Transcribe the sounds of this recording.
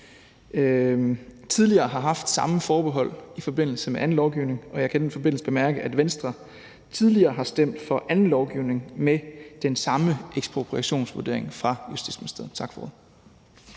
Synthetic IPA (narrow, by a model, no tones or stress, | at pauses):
t͡sʰið̞ˠliɐːɦɑ̈ɦɑ̈fd̥sɑ̈məfɒːb̥eɦɒ̽l̰ifɒ̽b̥e̝n̰l̩səmeʔæn̩lɒʊɡ̥iʊne̝ŋɒ̽jɑ̈ɪkʰæd̥enfɒ̽b̥e̝n̰l̩səb̥e̝mæɐɡ̥əʔæd̥ʋensd̥ʁɐ | t͡sʰið̞ˠliɐːɦɑ̈sd̥em̰d̥fɒ̽ʔænn̩lɒʊɡ̥iʊne̝ŋmed̥ensɑ̈məeɡ̥spʰʁo̝pʰʁiæɕo̝̰ːnsʋuɐde̝ɐ̰e̝ŋfʁɑ̈jusd̥id̥smenisd̥eð̩ˠt͡sʰɑ̈ɡ̥fɒ̥oðˠ